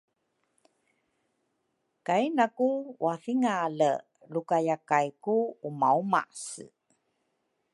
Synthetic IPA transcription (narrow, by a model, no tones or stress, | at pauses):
kainakuwafiŋalə | lukajakajkuːmauma̰s